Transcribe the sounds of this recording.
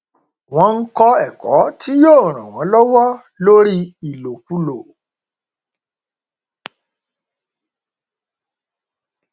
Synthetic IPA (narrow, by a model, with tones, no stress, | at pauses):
w̃ɔ̃˧˦n̩˦kɔ˧ɛ˨kɔ̰˨˦tʰi˦joː˦˨ɾ̃ã˨w̃ɔ̃˨˦lɔ˦wɔ˦ | lo˦ɾi˦i˨lo˨ku˦lo˨